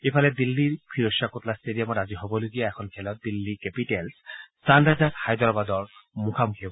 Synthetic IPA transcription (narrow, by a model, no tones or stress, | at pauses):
epʰalɛd̪ilːiɹpʰiɾoʃːakot̪lastedijamɔɾaziɦɔbɔloɡijaɛkʰɔnkʰɛlɔt̪̚d̪ilːikepiʈelssandazathajd̪ɔɹbad̪ɔɹmukʰamukʰibɔ